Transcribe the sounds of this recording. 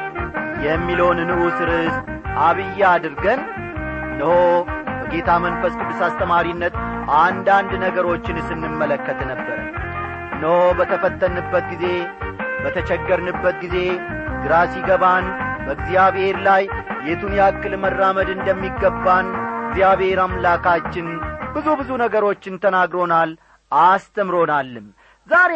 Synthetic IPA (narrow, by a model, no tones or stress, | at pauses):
jɛmːilonnɨʔusɨɾɨst̪ʔaβɨjːad̪ɨɾɡənː | əhobəɡe̞t̪ʰamənfəskʰɨd̪ːɨsast̪ʰʼəmaɾinːət̪and̪and̪nəɡəɾo̞t͡ʃːɪnsɨnːɨmːələkːət̪ʰnəbːəɾə̰ | nəho̞bət̪ʰəfət̪ːənɨbːət̪ɡize̞bət̪ʰət͡ʃɛɡːəɾnɨbːət̪ɡize̞ | d̪ɨɾasiɡəβanbəɨɡzjaβhe̞ɾlajjɛt̪unjakːɨlmərːaməd̪ɨnd̪əmːiɡəbːanɡzjaβhe̞ɾamlakʰat͡ʃːɪnbɨzubɨzunəɡəɾo̞t͡ʃːɪnt̪ʰənaɡɾo̞nal | ast̪ʰəmɾo̞nalːɨm | zaɾe